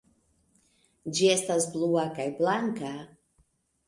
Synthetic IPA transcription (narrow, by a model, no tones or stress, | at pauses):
d͡ʒiest̪asbluakajblaŋka